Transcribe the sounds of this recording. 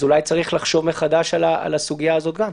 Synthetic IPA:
ulajt͡saʁiχlaχʃo̞vmeχad̪aʃalaa̰lasuɡijaːzo̞t̪ɡam

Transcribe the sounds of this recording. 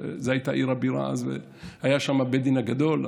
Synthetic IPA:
zeajit̪aʔiʁhabiʁa̰azvḛ | hajaʃamabed̪inhaɡad̪o̞l

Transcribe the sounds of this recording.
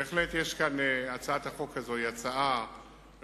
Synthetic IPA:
eeχlet̪jeʃkaneat͡saat̪aχo̞kʰːazo̞iat͡saʔa

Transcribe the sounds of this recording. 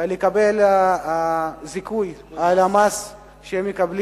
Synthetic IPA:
lekabelaazikujalamas | ʃeemekabli

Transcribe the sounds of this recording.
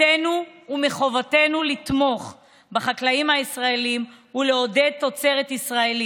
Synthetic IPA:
enuːmeχo̞vate̞nulit̪mo̞χ | baχaklaimhaisʁaelimule̞o̞de̞d̚t̪ːo̞t͡se̞ʁet̪isʁae̞li

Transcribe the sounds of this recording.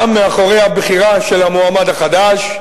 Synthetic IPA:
amːeaχo̞ʁejhabχiʁaʃe̞lamoamad̪aχad̪aʃ

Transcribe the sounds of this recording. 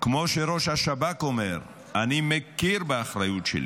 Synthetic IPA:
kmo̞ʃeɾo̞ʃhaʃabakomeʁ | animekiɾbeaχɾajutʃḛlḭ

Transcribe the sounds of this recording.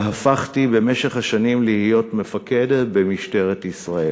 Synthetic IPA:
hafaχtibe̞me̞ʃe̞χhaʃanimlihijo̞tme̞fake̞detbemiʃte̞ʁetisʁael

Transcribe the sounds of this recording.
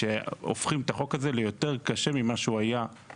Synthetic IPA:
eo̰fχimt̪aχo̞kaze̞lejo̞t̪e̞ʁkaʃe̞mimaʃuaja

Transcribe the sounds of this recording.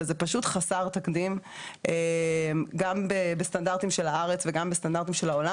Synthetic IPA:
zepaʃutχasaʁt̪akdimʔemɡambebestandaʁt̪imʃelaaʁet͡sveɡambestandaʁt̪imʃelaola

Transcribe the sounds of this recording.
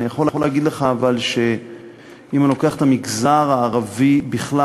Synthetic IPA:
nijaχololeaɡid̪leχaːvalʃe̞ | imalo̞ke̞aχet̪amiɡzaʁaːʁavibiχla

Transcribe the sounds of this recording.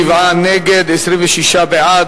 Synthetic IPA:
ivʕaneɡed̪esɾiɱveʃiʃabeʕa

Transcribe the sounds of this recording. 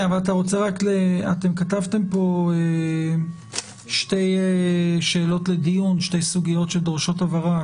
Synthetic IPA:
avalat̪̬aʁo̞t͡seʁakleatemkatavt̪e̞mpo̞e | ʃte̞jeʃe̞ːlo̞tle̞d̪ijunʃte̞jsuɡijo̞tʃeld̪ʁʃotavaʁa

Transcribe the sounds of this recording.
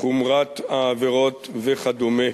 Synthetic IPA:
χumʁat̪aːveʁot̪veχad̪ome

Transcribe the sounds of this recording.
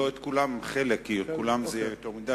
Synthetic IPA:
oet̪kulamχelekːietkulamzet̪omid̪a

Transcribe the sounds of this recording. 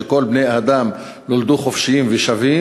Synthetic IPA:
ko̞lbnejad̪am | nold̪uχofʃijimvɛʃavi

